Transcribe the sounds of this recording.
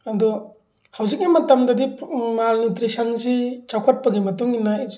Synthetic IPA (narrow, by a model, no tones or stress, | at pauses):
ɐdɔ | hawzik̚nimɐtɐmdɐdimalnutɾisʰɐnsit͡ʃakʰɔt̚pɐɡimɐtuŋinaj